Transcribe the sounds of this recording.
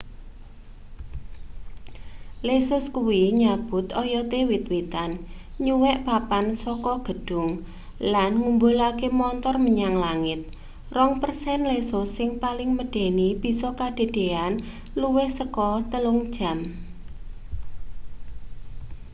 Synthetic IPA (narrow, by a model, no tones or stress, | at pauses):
lesʊskuwiɲab̥ʊ̤t̪ɔjɔt̪ewit̪̚wit̪an | ɲuwɛʔpapansɔkɔɡ̥ə̤ɖ̥ʊ̤ŋ | lanŋumbulakemɔnt̪ɔrməɲaŋlaŋɪt̪̚ | rɔŋpərsɛnlesʊsːɪŋpalɪŋməɖ̥e̤nib̥i̤sɔkaɖ̥e̤d̪̥e̤an | luwɪhsəkɔt̪əlʊŋd̥ʒ̥a̤m